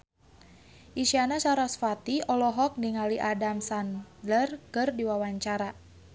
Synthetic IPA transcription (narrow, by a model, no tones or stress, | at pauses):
ʔisianasaɾasfat̪iɔlɔɦɔk̚niŋaliʔadamsandlərkɨrdiwawaɲt͡ʃaɾa